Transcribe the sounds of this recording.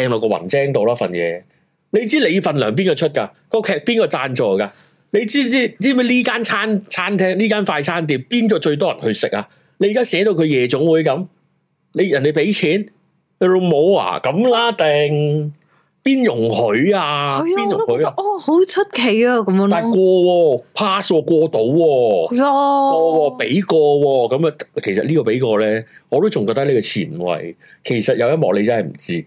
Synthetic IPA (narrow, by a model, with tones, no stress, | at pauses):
ɛː˧ŋlɔː˨˧kɔː˧wɐ̰˨˩nt͡sɛː˥ŋt̪o˨˧wlaː˥fɐ̰˨˩njɛ̰ː˨˧ | le˨˧jt͡siː˥le˨˧jfɐ˨nlœː˨˩ŋpi˥nkɔː˧t͡ʃʰɵ˥t̚kaː˧ | kɔː˧kʰɛː˨˧k̚piː˥nkɔː˧t͡saː˧nt͡ʃɔː˨˩kaː˧ | le˨˧jt͡siː˥iː˥t͡siː˥˩mɐ˥liː˥kaː˥nt͡sʰaː˥nt͡sʰaː˥nt̪ʰɛː˥ŋliː˥kaː˥nfaː˧jt͡sʰaː˥nt̪̬iː˨˩p̚piː˥nkɔː˧t͡ʃɵ˧ɥt̪̬ɔː˥jɐ˨˩nhɵ˧ɥsɪ̰˨k̚aː˧ | le˧jːkaː˥sɛː˨˥d̪o˧wkʰɵ˨˧ɥjɛː˨˧t͡sʊ˨˥ŋwuː˨˥jkɐ˨˥m | le˨˧jjɐ˨˩nd̪e˨˩jpe˨˥jt͡sʰiː˨˥n | e˨˧lʊ˨mo˨˧wa̰ː˨˩kɐ˨˧mlaː˥t̪ɛː˨˧ŋ | piː˥njʊ˨˩ŋhɵ˨˥ɥaː˧˨piː˥njʊ˨ŋhɵ˨˥jaː˧˨ho˨˥wt͡ʃʰɵ˥t̚kʰe˨˩jaː˧kɐ˨˦m˧a˨jkʷɔː˧wɔː˧pʰaː˥swɔː˧kʷɔː˧t̪o˨˧wwɔː˧jɔː˧wɔː˧pe˨˥jkɔː˧wɔː˧kɐ˨˦ma˧kʰe˨˩jsɐ˨t̚liː˥kɔː˧pe˨˥jkɔː˧lɛː˥ŋɔː˨˧t̪o˥wt͡sʊ˨ŋkɔː˧t̪ɐ˥le˨˧jkɔ˧t͡sʰḭː˨˩nwɐ̰˨˩j | kʰe˨˩jsɐ˨t̚jɐ˨˧wjɐ˥t̚mɔː˨k̚le˨˧jt͡sɐ˥nhɐ˨˩jm̩̰˨˩t͡siː˥